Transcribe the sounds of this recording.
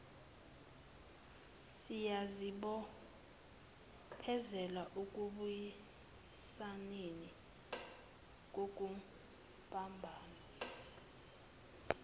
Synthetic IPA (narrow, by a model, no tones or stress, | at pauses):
sijaziɓɔ | pʰɛzɛlaʔuk̬ʼuɓuji | saneni | k̬ʼok̬ʼu | pʼambʱaːna